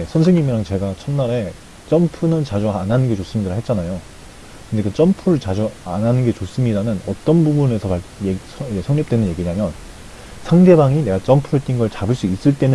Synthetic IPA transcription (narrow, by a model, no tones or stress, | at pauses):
esʰʌns̬ʰeŋɲimiɾaŋt͡ɕe̞ɡat͡ɕʰʌnːaɾe̞ | t͡ɕ͈ʌmpʰunɯnt͡ɕad͡ʑuanɦanɯnɡe̞t͡ɕos͈ɯmɲidɾaɦe̞t̚t͡ɕ͈anajo | kɯndekɯt͡ɕ͈ʌmpʰuɾɯɭt͡ɕad͡ʑuanɦanɯnɡe̞t͡ɕos͈ɯmɲidanɯnʌt͈ʌnbubune̞sʰʌpaɭje | ʌid͡ʑesʰʌŋɲʌp̚t͈we̞nɯnjeɡiɲamjʌn | sʰaŋde̞baŋine̞ɡat͡ɕ͈ʌmpʰuɦet͈inɡʌɭt͡ɕabɯɭs͈uis͈ɯɭt͈e̞nɯ